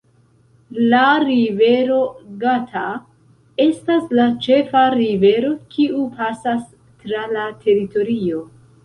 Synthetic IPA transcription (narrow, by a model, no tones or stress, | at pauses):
laɾive̞ɾo̞ɡatʰa | e̞staslat͡ʃe̞faɾive̞ɾo̞kʰiupasas | tɾalatʰe̞ɾito̞ɾio̞